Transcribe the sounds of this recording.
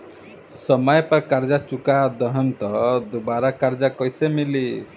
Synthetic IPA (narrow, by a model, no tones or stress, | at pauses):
sɔmɔjpaɾkaɾd͡ʒat͡ʃukad̪əɦɔnt̪ɔd̪ubaɾakaɾd͡ʒakɔjsemili